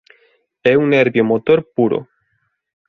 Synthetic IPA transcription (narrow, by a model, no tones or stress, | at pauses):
eunːeɾβjomot̪oɾpuɾo̰